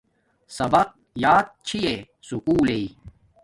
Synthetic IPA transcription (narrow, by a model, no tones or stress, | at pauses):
sɐbɐq̚ | jaːt̪̚t͡ɕʰie | sukuːlei